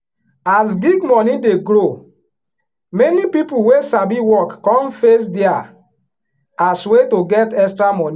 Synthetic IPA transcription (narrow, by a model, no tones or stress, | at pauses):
asɡiɡmɔnideɡɾo | mɛnipipuwesabiwɔkːɔ̃mfes̬dia | aswetoɡɛtɛkstɹamɔ̃ni